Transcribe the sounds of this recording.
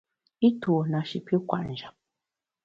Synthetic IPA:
i˦tu˨na˨ʃi˨pi˦kwa̰˨ʔn˨d͡ʒa˨p̚

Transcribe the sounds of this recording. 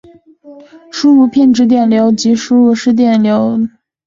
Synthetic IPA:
ʂu˥u˧pʰjɛ˥˩nʈ͡ʂɻ̩˧˥t̪̬jɛ˥˩nljo˧˥ʊt͡ɕi˧˥ʂu˥u˧˩ʂɻ̩˥˧t̪̬jɛ˥˩nljo˧˥ʊ

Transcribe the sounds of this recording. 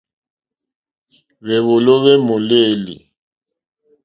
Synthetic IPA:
βɛ˨βʊ˨lɔ˦βɛ˦mʊ˨leː˦lḭ˨

